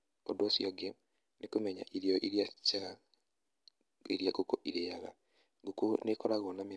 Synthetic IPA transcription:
ɔ̰dwosjɔɡe | nekumɛɲa̰ʔiɾjɔʔiɾjat͡ʃaɣa | eɾjaɡokoʔiɾejaɣa̰ | ɡokonekɔɾaɣɔname

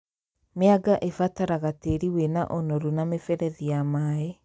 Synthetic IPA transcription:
meaɡaʔefataɾaɣateɾiwena̰ʔonoɾunamefɛɾɛðiamaːe

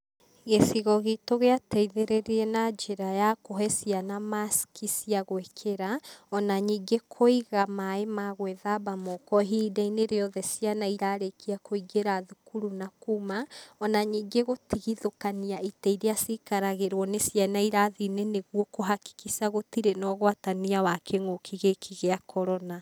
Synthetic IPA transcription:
ɣesiɣɔɣetoɣeatɛiðeɾeɾeɛnad͡ʒeɾajakoɦɛsianamaskisiaɣwekʰeɾaɔnaɲiːŋɡekʰoiɣamaemaɣwɛðabamɔkɔɦidaineɾeɔðɛsianaiɾaɾekiakoiɡeɾaðukuɾunakumaɔnaɲiːŋɡeɣotiɣiðokaniaitɛiɾeasikaɾaɣeɾwɔnesjanaiɾaðineneɣwɔkoɦaki̥kisaɣotiɾenɔɣwataniawakʰeŋokʰiɣekʰiɣeakʰɔɾɔna

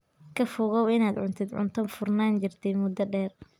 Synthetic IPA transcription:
kʰɐfʊɣɔwɪnaːd̪ʕʊnt̪ʰɪd̪ʕʊ̰nt̪ʰɐnfʊrnaːnt͡ʃɪrt̪ʰɛjmʊd̪ɐɖɛːr

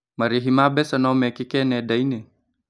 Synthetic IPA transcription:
maɾiɦimabɛsanomekikenedaine

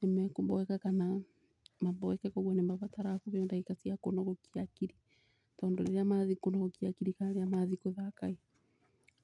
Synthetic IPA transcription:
ɛmɛkumbɔwɛkakana | mambɔwɛkɛkɔɡwɛnɛmaβataɾakuβjɔndaikasiakɔnɔɡɔkiakiɾi | taɔndɔɾɛɾeamaðikɔnɔɔkiakiɾikanaɾeamaðikuðakai

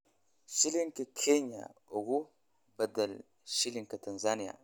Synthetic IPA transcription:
ʃiliŋkəkʰeɲa̰oɡu | bɐd̪ɐl | ʃiliŋkɐtɐnzanija̰

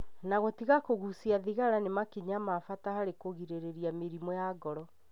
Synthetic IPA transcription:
naɣɔtiɣakoɣusiaðiɣaɾanemakiɲamafatahaɾekoɣiɾeɾeɾiameɾimɔjaɡɔɾɔ

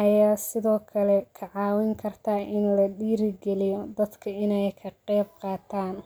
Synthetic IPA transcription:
ʔɐjaːsɪðɔːkʰɐlɛkʰɐʕɑːwɪŋkʰɐrt̪ʰaʔɪnlɐɗiːɾɪɡɛlɪjɔd̪ɐd̪kʰɐɪnɛjkʰɐqɛːb̚qɑːt̪ʰaːn

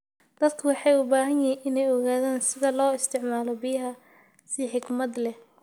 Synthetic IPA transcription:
d̪̥ɐd̪kʰʊwɑħɑjʊbaːɦɐnjɪɦinʔɪnɛjɔɣaːðaːnsɪðɐlɔːɪst̪ʰɪʕmaːlɔbɪjɦɐ | sɪħɪɡmɐd̪lɛh

